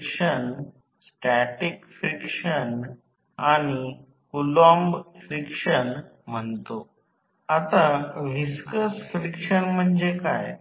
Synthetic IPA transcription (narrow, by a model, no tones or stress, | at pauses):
kʂən | sʈæʈikfɾikʂən | aɽ̃i | kulɔmbfɾikʂənm̤əɳt̪o | at̪aʋiskəsfɾikʂənm̤əɳd͡ʑekaj